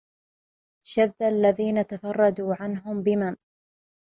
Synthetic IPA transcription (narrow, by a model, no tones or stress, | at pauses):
ʃaðːalːaðiːnat̪afɑrˤːɑd̪uːʕanɦʊmbɪman